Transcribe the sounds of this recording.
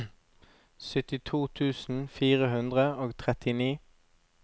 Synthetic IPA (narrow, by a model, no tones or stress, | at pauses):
sʏt̪ɪt̪ʰuːt̪ʰʉːsn̩fiːʁəhʉnd̪ʁəoːɡt̪ʰʁɛt̪ʰɪniː